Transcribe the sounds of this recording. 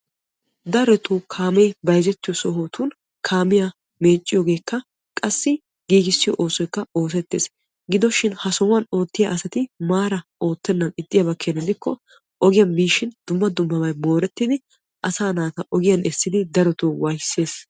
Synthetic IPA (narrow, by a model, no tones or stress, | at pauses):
d̪ɐɾɔt̪ukʰaːmɛjbɐjzɛt̪ːɪjɔsɔɦoːt̪uːn | kʰaːmɪjɐ | me̞ːt͡ʃʼːɪjɔːɡe̞ːkːɐ | kʼɐsːɪ | ɡ̥iːɡɪsːɪjɔ̰ʔo̞ːsɔjkːɐo̞ːs̬ɛt̪ːḛːs | ɡɪd̪ɔʃɪnhɐsɔwɐno̞ːt̪ːɪjɐʔɐsɐt̪ɪmaːɾɐo̞ːt̪ːɛnːɐnɪt̪ʼːɪjɐbɐkːenːɐd̪ɪkːɔ | ʔɔɡɪjɐnbiːʃɪnd̪̥ʊmːɐd̪ʊmːɐbɐjmo̞ːɾɛt̪ːɪd̪ɪ | ʔɐsaːnaːt̪ɐʔɔɡɪjɐnɛsːɪd̪ɪd̪ɐɾɔt̪uːwɐjsːe̞ːs